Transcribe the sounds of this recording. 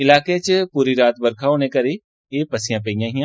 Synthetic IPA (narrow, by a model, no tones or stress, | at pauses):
ɪlaːket͡ʃpuɾiɾaːt̪̚bɐɾkʰaːonẽkɐɾi | epɐsijãpejãːɦĩjãː